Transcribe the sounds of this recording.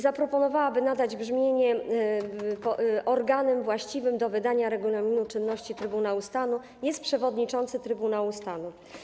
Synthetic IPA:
zapɾɔpɔnɔvawabɘnad̪ad͡ʑbʐmʲjeɲɛ | pɔʔɔɾɡanɛmvwaɕt͡ɕivɘmd̪ɔvɘd̪aɲaɾɛɡulamʲinut͡ʂɘnːɔɕt͡ɕit̪ɾɘbunawust̪anu | jɛst̪̚pʂɛvɔd̪ɲit͡ʂɔnt̪sɘt̪ɾɘbunawust̪anu

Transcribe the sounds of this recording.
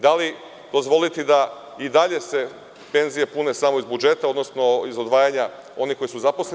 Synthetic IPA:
d̪ali | d̪o̞zʋo̞lit̪id̪a | id̪aʎe̞se̞ | pe̞nzije̞pune̞samo̞izbud͡ʒe̞t̪ao̞d̪no̞sno̞izod̪ʋaːjaɲa | o̞niko̞jisuzaposle

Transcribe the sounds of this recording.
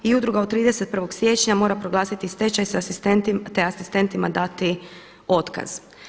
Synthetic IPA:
iud̪ɾuɡaot̪̚t̪ːɾiːd̪e̞set̪̚pr̩ʋo̞ɡsje̞ːt͡ʃɲamo̞ːɾapɾo̞ɡlaːsit̪ist̪e̞t͡ʃajsaasist̪ent̪t̪e̞asist̪e̞nt̪imad̪at̪i | o̞t̪ka̰z̥

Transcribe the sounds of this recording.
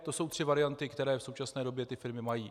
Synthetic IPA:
t̪o̞so̞wt̪r̝̥ɪvaɾɪant̪ɪkt̪ɛɾɛːfso̞wt͡ʃasnɛːdo̞bjɛt̪ɪfɪɾmɪmajiː

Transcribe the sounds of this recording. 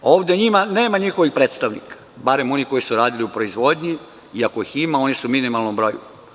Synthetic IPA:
o̞ːʋd̪eɲimane̞ːmaɲixo̞ʋixpɾeːt̪st̪aʋnḭkḁbaɾe̞mo̞niko̞jisuɾaːd̪iliupɾo̞izʋo̞d̪ʲɲi | iako̞iximao̞nisuminimalˠnombɾo̞jṵ

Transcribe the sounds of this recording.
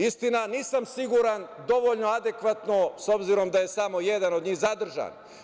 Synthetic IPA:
ist̪inaniːsamsiɡuɾand̪o̞ʋoʎno̞ad̪e̞kʋat̪no̞so̞bziɾo̞md̪aje̞samo̞jed̪anod̪ɲiːxzad̪r̩ʒa̰ːn

